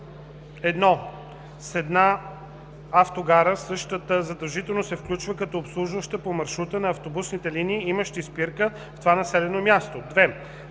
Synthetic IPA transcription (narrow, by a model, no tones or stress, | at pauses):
ɛd̪nɔ | sɛd̪na | aft̪oɡaɾəsɤʃt̪ət̪əzɐd̪ɐlˠʒit̪ɛlˠnosɛfklʲut͡ʃvəkɐt̪ɔopslˠuʒvəʃt̪əpomɐɾʃɾut̪ənɐːft̪obusnit̪ɛliniːiməʃt̪ispiɾkə | ft̪ovanɐsɛlɛnomʲjast̪od̪vɛ